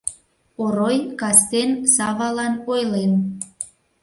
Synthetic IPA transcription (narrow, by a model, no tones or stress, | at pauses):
oɾojkɑst̪ensɑvɑlɑnojlen